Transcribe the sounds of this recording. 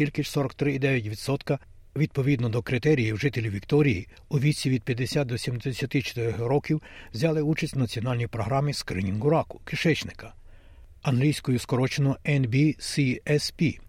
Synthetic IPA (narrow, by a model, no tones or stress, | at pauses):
ilʲkɪʃsɔɾɔkt̪ɾɪid̪ɛʋʲjɐt̬ʲʋʲid̪sɔt̪kɐ | ʋʲid̪̚pɔʋʲid̪nɔd̪ɔkɾɪt̪ɛɾʲijiwʒɪt̪elʲiʋʲikt̪ɔɾʲiji | uʋʲisʲiʋʲid̪̚pʲjɐd̪esʲat̪̚d̪ɔsʲimd̪esʲɐt̪ɪt͡ʃe̥t̪ɪɾɔɦɾɔkʲiwwzʲɑlˠɪut͡ʃɐsʲtʲnɐt͡sʲiɔnɑlʲnʲijipɾɔɦɾɑmiskɾɪ̰nʲinɡʊɾɑkʊ̥kɪʃɛt͡ʃnɪkɐ | ɐnɦlʲijsʲkɔjʊskɔɾɔt͡ʃenɔɛnbʲisʲiɛspʲi